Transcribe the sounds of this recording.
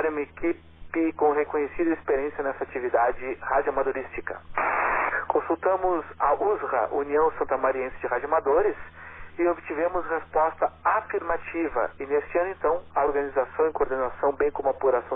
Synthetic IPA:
ɾũmɐeki | pɪkõɦekõɲesid̪ɐespeɾiẽsjɐnɛsɐat͡ʃivid̪ad͡ʒɪhad͡ʒʊamad̪oɾist͡ʃikɐ | kõsuwt̪ɐ̃mʊzaʔuzʁɐ̰ʔuniɐ̃w̃sɐ̃nt̪ɐmaɾiẽsɪ̥d͡ʒɪɦad͡ʒʊamad̪oɾɪsɪobɪt͡ʃivẽmʊshespɔst̪ɐafiɾmat͡ʃivɐ̰ɪnest͡ʃɪɐ̃nʊẽnt̪ɐ̃w̃ɐoɾɡɐnizasɐ̃w̃ẽkoɾd̪enasɐ̃w̃bẽj̃kõmʊapuɾasɐ̃

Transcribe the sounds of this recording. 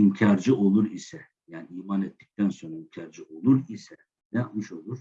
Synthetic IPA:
imcʰaɾd͡ʒɯo̞lˠuɾisɛ | jaːniiːmaːnɛt̪ʰːi̥c̚t̪ʰænso̞nɾaimcʰaɾd͡ʒɯo̞lˠuɾisɛ | nɛjapmɯʃo̞lˠuɾ̥

